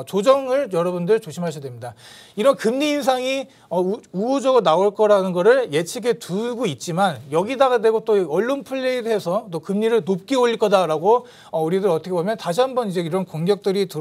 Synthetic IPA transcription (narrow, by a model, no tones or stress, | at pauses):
t͡ɕod͡ʑʌŋɯɭjʌɾʌbundɯɭt͡ɕoɕʰimɦaɕʰʌadwemɲida | iɾʌnkɯmɲiːnsʰaŋi | ʌuod͡ʑʌɡɯɾonaoɭk͈ʌɾanɯnɡʌɾɯɭje̞t͡ɕʰiɡetʰuɡoit̚t͡ɕ͈imanjʌɡidaɡadwe̞ɡot͈oʌɭːonpʰuɭːeiɾɦe̞sʰʌt͈okɯmɲiɾɯɭnop̚k͈ioʎːiɭk͈ʌdaɾaɡo | ʌuɾidɯɾʌtʰʌkʰebomjʌntaɕ̬ʰiɦambʌnid͡ʑe̞iɾʌnkoŋɡjʌk̚t͈ɯɾitɯ